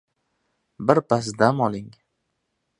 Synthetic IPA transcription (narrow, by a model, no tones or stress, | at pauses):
bɪɾpas̬d̪amɒlˠɪŋ